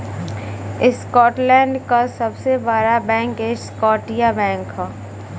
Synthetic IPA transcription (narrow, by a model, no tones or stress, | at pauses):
ɪskɔːʈlɛ̃ːɳɖkasɐbsebaːɾabɛ̃ːŋked͡ʒskɔːʈijabɛ̃ːŋkɦaː